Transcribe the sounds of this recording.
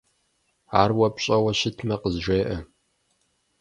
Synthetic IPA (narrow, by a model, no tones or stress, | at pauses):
aːrwɐpɕʼɐwɐɕɪtʰmɐqəzʒʷeːʔɐ